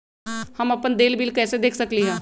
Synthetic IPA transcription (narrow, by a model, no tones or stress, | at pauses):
hɐmɐpənd̪eːlbiːlkɛːsed̪eːkʰsɐkliɦɛ̃ː